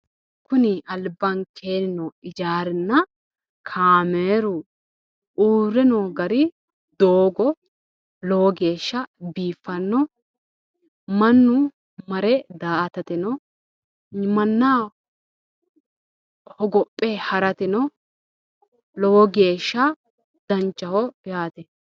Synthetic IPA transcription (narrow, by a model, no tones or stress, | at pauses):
kʊnɪʔɐlbːɐnkʰeːnɪnɔɪd͡ʒaːɾɪnːɐ | kʰaːmeːɾʊ | uːɾɛnoːɡɐɾɪ | d̪oːɡɔ | lɔwɔɡe̞ːʃːɐbiːfːɐnːɔ | mɐnːʊ | mɐɾɛd̪aːʔɐt̪ɐt̪ɪnɔ | mɐnːaː | hɔɡɔpʼːɛhɐɾɐt̪ɪnɔ | lɔwɔɡe̞ːʃːɐ | d̪̥ɐnt͡ʃːɐhɔjaːt̪ɛ